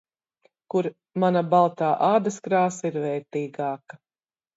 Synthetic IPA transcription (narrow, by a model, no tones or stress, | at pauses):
kuɾ | manabalˠt̪aːʔaːd̪ɐskɾaːsiɾvɛːɾt̪iːɡɑːkɐ